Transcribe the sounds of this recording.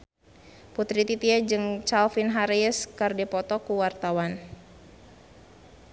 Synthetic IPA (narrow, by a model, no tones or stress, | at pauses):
put̪ɾit̪it̪iad͡ʒɨŋt͡ʃalfinɦaɾiəskardɛpɔt̪ɔkuwart̪awan